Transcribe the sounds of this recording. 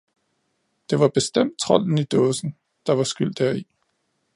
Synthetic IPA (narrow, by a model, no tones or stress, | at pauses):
d̥e̝ʋɑ̈b̥e̝sd̥em̰d̥̚t͡sʰʁɒ̽l̰n̩id̥ɔ̽ːsn̩ | d̥ɑ̈ʋɑ̈sɡ̥yl̰d̥æɐ̰i